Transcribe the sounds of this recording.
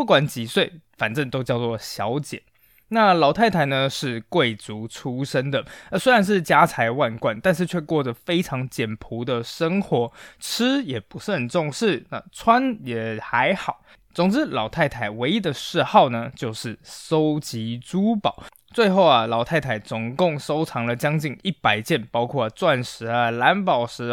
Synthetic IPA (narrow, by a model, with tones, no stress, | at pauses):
pu˥˩kwa˨˩nt͡ɕi˨˩swe˥˩ɪfa˨˩nʈ͡ʂə˥˩ŋt̪o˥ʊt͡ɕjɑ˥˧ʊt͡swɔ˥˩ɕjɑ˧˥ʊt͡ɕjɛ˨˩˦n | na˥˩lɑ˨˩ʊt̪ʰa˥˩ɪt̪ʰa˧˥ɪnə˧ʂɻ̩˥˧kwe˥˩ɪt͡su˧˥ʈ͡ʂʰu˥ʂə˥ŋd̪ə˨ə˧˩swe˥ɪɻa˧˥nʂ̬ɻ̩˥˩t͡ɕja˥t͡sʰa˧˥ɪwa˥˧nkwa˥˧nt̪a˥˧nʂ̬ɻ̩˥˧t͡ɕʰɥɛ˥˧kwɔ˥˩d͡zə˩fe˥ɪʈ͡ʂʰɑ˧˥ŋt͡ɕjɛ˨˩npʰu˧˥d̪ə˨ʂə˥ŋxwɔ˧˥ʈ͡ʂ̩ʰ˥jɛ˨˩pu˧˦ʂɻ̩˥˩ə˨˩nʈ͡ʂʊ˥˧ŋʂɻ̩˥˩na̰˨˩t͡sʰwa˥njɛ˨˩xa˧˥ɪxɑ˨˩˦ʊ | t͡sʊ˨˩ŋʈ͡ʂɻ̩˥lɑ˨˩ʊt̪ʰa˥˩ɪt̪ʰa˨˩ɪwe˧˥ɪi˧˥d̪ə˨ʂɻ̩˥˧xɑ˥˩ʊnə˩t͡ɕjo˥˧ʊʂɻ̩˥˩so˥ʊt͡ɕi˧˥ʈ͡ʂu˥pɑ˨˩˦ʊ | t͡swe˥˧ɪxo˥˩ʊɐ˩lɑ˨˩ʊt̪ʰa˥˩ɪt̪ʰa˨˩ɪt͡sʊ˨˩ŋkʊ˥˩ŋso˥ʊʈ͡ʂʰɑ˧˥ŋlə˧t͡ɕjɑ˥ŋt͡ɕi˥˩ŋi˥˩pa˨˩ɪt͡ɕjɛ˥˩npɑ˥ʊkʰwɔ˥˩t͡swa˥˩nʂɻ̩˧˥ə˧la˧˥npɑ˨˩ʊʂɻ̩˧˥